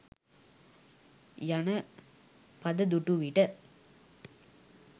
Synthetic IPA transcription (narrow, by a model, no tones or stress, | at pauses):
jɐnɐ | pɐðɐd̪uʈːuʋiʈːɐ